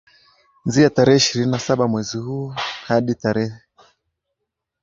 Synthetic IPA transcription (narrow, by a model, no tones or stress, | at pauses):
nziataɾɛhɛiʃiɾininasaɓamwɛzihuːhaɗitaɾɛɛ